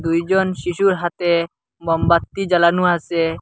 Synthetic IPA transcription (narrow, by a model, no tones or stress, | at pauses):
d̪ujd͡ʒɔnʃiʃuɾɦat̪e | bɔmbat̪ːid͡ʒalanuase